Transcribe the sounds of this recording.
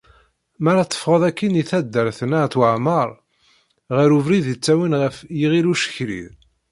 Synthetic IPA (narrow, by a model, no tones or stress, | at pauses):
mæɾat͡s̪ˤːə̥fʁəðˤækːiniθæd̪ːəɾθnat̪wəʕməɾˤ | ʁəɾuvɾiðət͡sːæwinʁəfjiʁiluʃə̥çɾḭð